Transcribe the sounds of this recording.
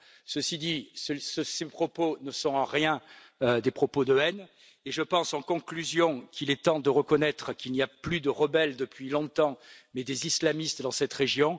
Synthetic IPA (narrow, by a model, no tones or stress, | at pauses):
səsid̪isəsəsepχɔponəsɔ̃ɑ̃ʁjɛ̃ | ød̪epχɔpod̪əɛn | eʒəpɑ̃sɑ̃kɔ̃klyzjɔ̃kʰilɛt̪ɑ̃d̪əʁəkɔnɛt̪χəkilniaplyd̪əʁəbɛld̪əpɥilɔ̃t̪ɑ̃mɛd̪ezislamist̪d̪ɑ̃sɛt̪ʁeʒjɔ̃